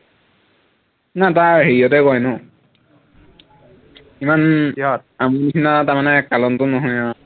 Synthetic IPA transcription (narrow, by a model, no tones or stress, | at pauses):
nataɹɦeɹiɔtɛkɔjnʊ | iman | amunisinatamanɛkːalɔntʊnɔɦɔja